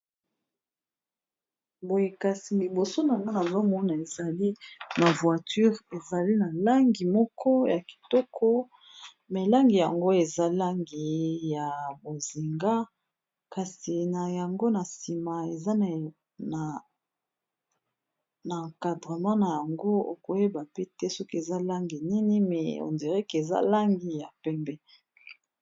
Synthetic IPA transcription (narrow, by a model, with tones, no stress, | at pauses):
bo˨je˨ka˨si˨li˨bo˨so˦na˨ma˦na˨za˦mɔ˦na˨e˨za˨li˦na˨vwa˨ty˦ʁe˨za˨li˦na˨la˦ŋɡi˨mɔ˦kʰɔ˦ja˨ki̥˨tɔ˦kʰɔ˦ | me˨la˦ŋɡi˨ja˨ŋɡo˦e˨za˦la˦ŋɡi˨ja˨bo˨zi˨ŋɡa˦ | ka˨si˨na˨ja˨ŋɡo˦na˨si˨ma˨e˨za˦ | n˨ | na˨ka˨dʁe˨mã˦na˨ja˨ŋɡo˦o̰˨ko˨je˦ba˨pe˦tɛ˦sɔ˦ki˦e˨za˦la˦ŋɡi˨ni˦ni˦mɛ̰˨o̰˨ndi˨ʁɛ˦ke˨za̰˦la˦ŋɡi˨ja˨pɛ˦mbɛ˦